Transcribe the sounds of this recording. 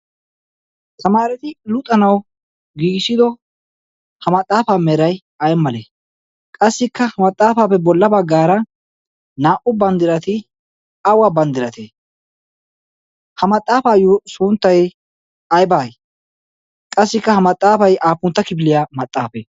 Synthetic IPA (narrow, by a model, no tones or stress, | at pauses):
sɐmaːɾɛt̪ɪlʊt̪ʼːɐnɐw | ɡiːɡsɪd̪ɔ | hɐmɐt̪ʼːaːfaːmɛɾɐj | ɐjɛmːɐlḛː | kʼɐsːɪkːɐhɐmɐt̪ʼːaːfaːpːɛbɔlːɐbɐɡːaːɾɐ | naːʔʊbɐnd̪ɪɾɐt̪ɪ | ɐwaːbɐnd̪ɪɾɐt̪ḛː | hɐmɐt̪ʼːaːfaːjosʊnt̪ːɐj | ɐjbaːj | kʼɐsːɪkːɐhɐmɐt̪ʼːaːfɐjʔaːpːʊnt̪ːɐkɪbɪlɪjaːmɐt̪ʼːaːfɛ